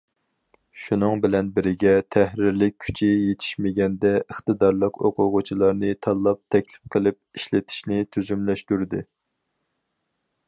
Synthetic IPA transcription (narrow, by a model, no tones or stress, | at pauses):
ʃunɨŋbɪlɛnbɪɾɪɡʲɛt̪ʰæhɾɪɾlɪk̚ʲʰːy̥t͡ʃʰijet̪ʰɪ̥ʃmɪɡʲɛnd̪ɛəχt̪ɨd̪ɑɾlˠəqoqʰʊʁʊt͡ʃʰilˠɑɾnɨt̪ʰɑlˠːɑp̚t̪ʰɛkʲlɪ̥p̚qʰəlˠɪp̚iʃlɪt̪ʰi̥ʃnɪt̪ʰyzymlɛʃt̪uɾd̪ɨ